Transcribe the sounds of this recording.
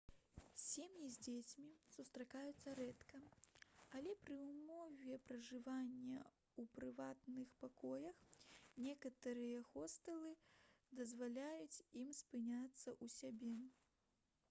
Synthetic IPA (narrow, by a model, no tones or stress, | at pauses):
sʲemjizʲd͡zʲet͡sʲmʲisust̪ɾakajut̪sːɐɾɛt̪kɐ | ɐlʲɛpɾɨwmɔvʲɛpɾɐʐɨvanʲːɐ | upɾɨvat̪nɨxpakɔjɐxnʲɛkɐt̪ɐɾɨjɐxɔst̪ɐlˠɨd̪ɐzvalʲajut͡sʲimspɨnʲat̪sːɐʔusʲabʲɛ